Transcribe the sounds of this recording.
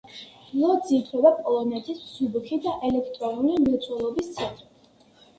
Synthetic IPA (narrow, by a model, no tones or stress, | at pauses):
lˠɔd̪zit̪ʰɾɔbapʼɔlˠɔnɛt̪ʰisːubχid̪aʔɛlɛkʰt̪ʼɾɔnulimɛt̪sʰʼɔlˠɔbist̪sʰɛnt̪ʼɾi